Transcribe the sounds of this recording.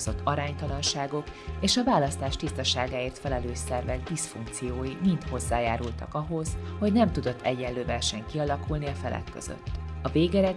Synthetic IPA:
zo̞t̪ːɒɾaːɲt̪ɒlɒnʃaːɡo̞keːʃɒvaːlɒst̪aːʃt̪ist̪ɒʃaːɡaːeːrt̪fɛlɛløːʃsɛrvɛɡd̪isfuŋkt̪sijoːjimint̪ho̞zːaːjaːɾult̪ɒ̰kɒɦo̞zho̞ɟnɛmt̪ud̪o̞t̪ʰːɛɟːɛnløːvɛrʃɛŋkiɒlɒkulniɒfɛlɛ̰kːø̰z̥ø̰t̪ːɒveːɡɛɾɛ

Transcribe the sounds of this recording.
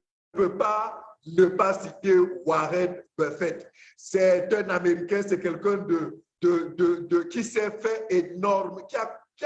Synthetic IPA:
pøpanəpasit̪ewaʁɛnbɛfɛt̪ | sɛt̪ɛ̃nameʁikɛ̃sɛkɛlkɛ̃d̪ə | d̪əd̪əd̪əkʲisɛfɛenɔʁmkiak

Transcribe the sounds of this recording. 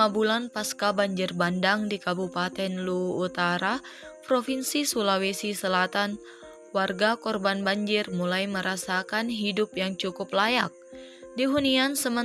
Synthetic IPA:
abulanpaskabaɲd͡ʒɪrbandaŋdikabupat̪ɛnluːt̪aɾapɾofinsisulawesisəlat̪an | warɡakɔrbanbaɲd͡ʒɪrmulajməɾasakanɦidʊpjaŋt͡ʃukʊplajak̚ | diɦuniansəmə

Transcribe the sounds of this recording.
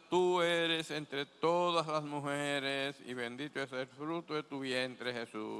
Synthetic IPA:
t̪ueɾesent̪ɾet̪oðaslasmuxeɾesḭβend̪it̪oeselfɾut̪oðet̪uβjent̪ɾehesu

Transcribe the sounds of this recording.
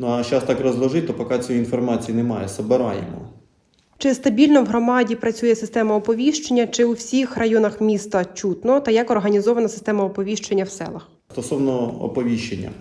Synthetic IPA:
nuɐʃt͡ʃast̪ɑkrɔzʋˠɐʒɪt̚ʲt̪ɔpɔkɑt͡sʲɔjinfɔrmɑt͡sʲijinemɑjɛsɐbɪɾɑ̰jḛmɔ̰ | t͡ʃɪst̪ɐbʲilʲnɔwɦɾɔmɑdʲipɾɐt͡sʲujɛsɪst̪ɛmɐɔpɔʋʲiʃt͡ʃenʲːɐt͡ʃɪuwsʲixrɐjɔnɐxmʲist̪ɐt͡ʃut̪nɔt̪ɐjɐkɔrɦɐnʲizɔʋɐnɐsɪ̥st̪ɛmɐɔpɔʋʲiʃt͡ʃenʲːɐwsɛ̰lˠɐx | st̪ɔsɔwnɔɔ̰pɔʋʲiʃt͡ʃenʲːɐ̰

